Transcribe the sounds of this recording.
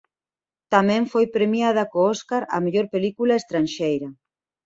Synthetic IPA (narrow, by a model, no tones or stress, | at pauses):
t̪amɛ̃ɱfojpɾemjað̞akoɔskaɾa̰meʎoɾpelikulaest̪ɾanʃejɾɐ